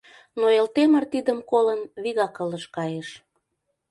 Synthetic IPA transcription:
noelt̪emərt̪id̪əmkolənβiɣɑkələʃkɑjeʃ

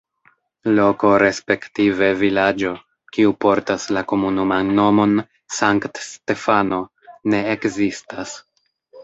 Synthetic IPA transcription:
lo̞ko̞ɾe̞spe̞ktive̞vilad͡ʒo̞ | kiupo̞ɾtaslako̞munumanːo̞mo̞n | saŋktste̞fano̞ | ne̞ekzistas

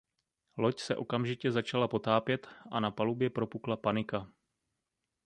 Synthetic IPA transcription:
lo̞csɛʔo̞kamʒɪcɛzat͡ʃalapo̞t̪aːpjɛt̪ʔanapalubjɛpɾo̞puklapanɪka

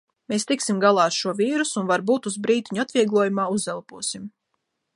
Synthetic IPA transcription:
meːst̪iksimɡalˠaːɾʃuɔviːɾusunvaɾbuːt̪uzbɾiːt̪iɲuat̪vʲiɛɡlˠuɔjumaːuzɛlˠpuɔsim

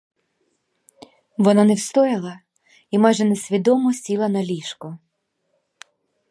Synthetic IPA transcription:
ʋɔnɑnewst̪ɔjɪlˠɐ | imɑjʒɛnesʲʋʲid̪ɔmɔsʲilˠɐnɐlʲiʃkʊ

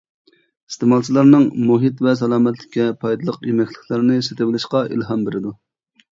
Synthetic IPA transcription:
i̥st̪emɑlˠt͡ʃʰilˠɑɾnɨŋmuɦit̪vɛs̬ɛlˠɑːmɛt̪lɪ̥kʲːɛpʰɑjd̪ɨlˠəqjømɛkʲlɪkʲlˠɪɾnɪset̪ɪbɪlˠɪʃqɑʔḭlɦɑmbeɾɪd̪u

